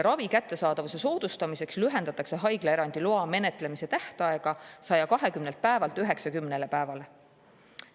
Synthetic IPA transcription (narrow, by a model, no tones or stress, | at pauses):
ɾɑvikæt̪ːe̞sɑːd̪ɑvuse̞so̞ːd̪̥ust̪ɑmise̞kslyɦe̞nd̪ɑt̪ːˑɑkse̞ɦɑjɡ̥lee̞ɾɑnd̪̥iloɑme̞ne̞t̪ˑle̞mise̞t̪æht̪ɑe̞ɡ̥ɑsɑjɑkɑɦe̞kymnelt̪̚pæevɑlt̪yɦe̞ksɑkymnele̞pæe̞vɑle̞